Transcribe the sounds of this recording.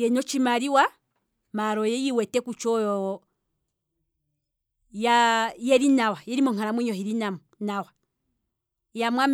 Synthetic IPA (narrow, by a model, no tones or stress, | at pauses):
jɛnɔt͡ʃimaɾiwa | maɾɔjɛjiwɛtɛkut͡ʃɔjɔ | jajɛɾinawajɛɾimɔŋ̥aɾamwɛɲɔɦiɾinam | nawa | jamwam